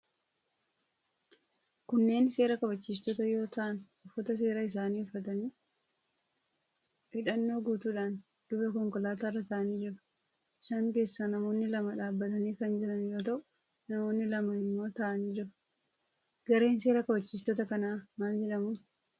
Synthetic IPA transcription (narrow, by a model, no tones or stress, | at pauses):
kʊnːe̞ːnse̞ːɾɐkɐbɐt͡ʃːiːs̬t̪ɔt̪ɐjo̞ːt̪ɐʔɐn | ʊfːɐt̪ɐs̬e̞ːɾɐɪs̬aːniːʊfːɐt̪ɐniː | fɪᶑɐnːo̞ːɡuːt̪uːᶑaːn | d̪̥ʊbɐkɔŋkɔlaːt̪arːɐt̪aʔɐniːd͡ʒɪɾʊ̥ | ʔɪsaːŋke̞ːsːɐnɐmo̞ːnːɪlɐmɐᶑaːbːɐt̪ɐniːkɐnd͡ʒɪɾɐnjo̞ːt̪̬ɐʔʊ | nɐmoːnːɪlɐmɐɪmːo̞ːt̪ɐʔɐniːd͡ʒɪɾʊ̥ | ɡ̥ɐɾe̞ːnse̞ːɾɐkɐbɐt͡ʃːiːs̬t̪ɔt̪ɐkɐnaːmaːld͡ʒɛᶑɐmʊː